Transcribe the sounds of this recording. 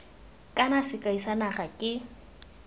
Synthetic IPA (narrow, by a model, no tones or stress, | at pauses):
kʼanasɪkʼaisanaχakʼɪ